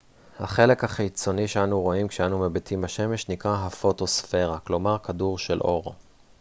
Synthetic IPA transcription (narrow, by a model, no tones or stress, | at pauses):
haχe̞le̞khaχit͡so̞niʃeanuʁo̞imkʃeanumebetimbaʃe̞me̞ʃnikʁaɦafo̞to̞sfe̞ʁaklo̞maʁkaduʁʃe̞lʔo̞ʁ